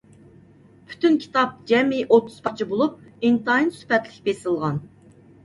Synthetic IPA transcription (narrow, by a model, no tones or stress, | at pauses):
pʰy̥t̪ynkʲʰi̥t̪ɑp̚d͡ʒɛmiʔot̪ʰːu̥z̥pʰɑqt͡ʃʰibolˠup̚int̪ɑinsy̥pɛt̪lɪk̚ʲbesɨlˠʁɑn